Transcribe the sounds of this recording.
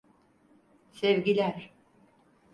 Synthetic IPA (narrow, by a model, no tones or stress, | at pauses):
sɛvɟilʲæɾ